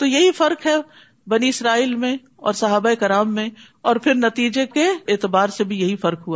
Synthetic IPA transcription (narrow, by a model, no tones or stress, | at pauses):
t̪ojɐɦifɐɾkɦɛ | bɐniɪsɾaːiːlmẽ | ɔ̰ːɾsɐɦaːbaeːkɪɾaːmːẽ | ɔːɾpʰɪɾnɐt̪iːd͡ʒekeːt̪ɪbaːɾsebʱijɐɦifɐɾkɦuaː